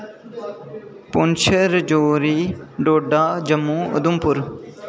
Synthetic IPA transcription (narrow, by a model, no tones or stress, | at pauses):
pʊnt͡ʃʰəɾəd͡ʒoːɾiːɖoːɖaːd͡ʒəmːuːʊ̰d̪ʊmpʊɾ